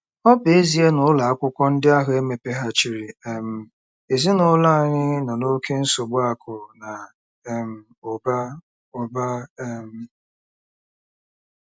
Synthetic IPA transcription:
ɔ˦pe˦zi˨˦e˦nʊ˨˦la˨a˦kʷʊ˦kʷɔ˦n̩˦dɪ˦a˦ɦʊ˨˦e˦me˨pe˦ɦa˦t͡ʃi˨ɾi˨ɛ˨m̩˨ | e˨zi˦nʊ˨˦la˦a˨ɲɪ˦nɔ˨no˦kʰe˦n̩˦so˨ɡ͡bʊ˦a˦kʰʊ˨na˨ | m̩˦ | o˨ba˦ | o˨ba˦m̩˦

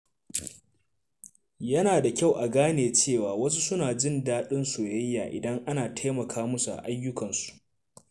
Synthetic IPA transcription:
jɐ˦naː˨da˨kʲa˦˨wʔa˨ɡaː˦neː˨t͡ʃeː˦˨waː˨wɐ˦s̬u˦sʊ˦naː˨d͡ʒɪ˦˨ndaː˦ɗɪ˦nsoː˨jɐ˦jːa̰ː˨ʔɪ̰˨dɐ˦ŋʔa˦naː˨tʰa˦jmɐ˨kʰaː˦mʊ˦su˨ʔa̰˨ʔa˦jːʊ˦kɐ˨nsu̥˨ʔ

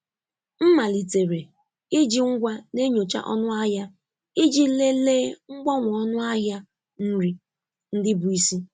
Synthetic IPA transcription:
m̩˦ma˨li˨te˨ɾe˨ | ɪ˦d͡ʒi˦ŋ̩˦ɡʷa˦ne˦ɲo˨t͡ʃa̰˦ʔɔ̰˦nʊ˦a˦ɦja˦ | ɪ˦d͡ʒi˦le˦leː˦ŋ͡m̩˦ɡ͡bɔ˦ŋʷʊ˨ɔ˦nʊ˦a˦ɦa˦ | n̩˦ɾi˦ | n̩˦dɪ˦bʊ˨i˦si˦

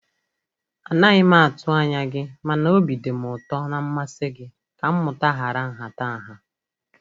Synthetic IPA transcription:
a˨na˦ɣɪ˦ma˦a˨tʊ˦a˦ɲa˦ɡɪ˦ma˨no˦bi˨de˨m˨ʊ˨tɔ˦na˦m̩˦ma˦se˦ɡɪ˦ | ka˨m̩˦mʊ˨ta˦ɦa˨ɾa˦ŋ̩˨ɦa˨ta˦a˨ɦa˦

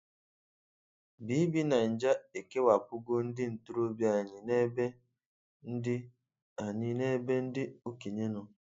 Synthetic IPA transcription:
bi˨˦bi˦na˨n̩˨d͡ʒa˦e˨ke˦wa˨pʊ˦ɡo˦n̩˦dɪ˦n̩˨tu˦ɾo˦bja˨ɲi˨ne˦be˦ | n̩˦dɪ˦ | a˨ɲi˨ne˦be˦n̩˦dɪ˦u˦ki˨ɲe˦no˦

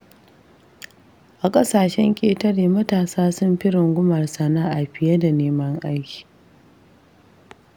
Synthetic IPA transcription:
ʔa˨kʼɐ˦saː˨ʃɛ˦ŋkʲʼeː˨tɐ˦ɽeː˨mɐ˦taː˨saː˦sʊ˦mɸɪ˦ɽɪ˨ŋɡʷʊ˦mɐ˨rsɐ˦naː˦ʔa˨ɸɪ˨jɐ˦da˨neː˦mɐ˦ŋʔa˦jkʲi̥ː˨

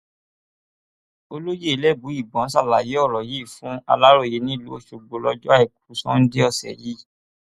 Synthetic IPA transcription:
o˧lo˦je˦e˧˦lɛ˦˨bu˨˦i˦˨bɔ̃˨˦sa˦˨la˨je˨˦ɔ˦˨ɾɔ˨ji˦˨fũ˨˦a̰˧la˦ɾo˦˨je˨˦nĩ˦˨lu˨˦o˦˨ʃo˧ɡ͡bo˧lɔ˧d͡ʒɔ˦a˦ɛ˨k̚u˨˦sɔ̰̃˦n̩˦de˦ɔ˦˨sɛ̰˨ji˦

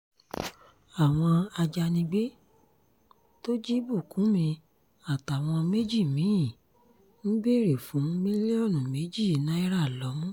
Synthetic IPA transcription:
a˨w̃ɔ̃˧a˧d͡ʒa˧nĩ˧ɡ͡be˦ | to˦d͡ʒi˦bu˦˨kũ˨˦mĩ˧ | a˦˨ta˨w̃ɔ̃˧me˦d͡ʒi˦˨mĩ˨˦ĩ˦˨ | ñ̩˦be˦˨ɾe˨fũ˨˦mĩ˦li˦ɔ˦˨nũ˨me˨˦d͡ʒi˦˨nã˨˦i˦ɾa˦˨lɔ˨˦mũ˦

